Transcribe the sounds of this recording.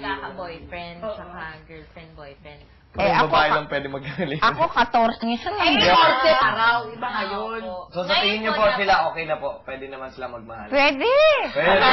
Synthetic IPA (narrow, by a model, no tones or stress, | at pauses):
lakɐbojfɾɛnd̪t͡ʃɐkaɡɛlfɛnd̪̚bojfɾɛnd̪ | pɐɛʔɐbɐbaːʔɪlɐmpwɛːd̪ɪmɐɡ̚ɐɡɐlɪɐkokɐt̪oɾt̪ɲosɐlɐjoɐsɛaɾawbɐɐjonsosɐt̪ɪŋɪnɲopossɪlaʔo̞ːkɛjnɐpoʔpwɛd̪ɛnɐmansɪlamɐɡ̚mɐhalpwɛːd̪ɛwɛd̪ɛɐ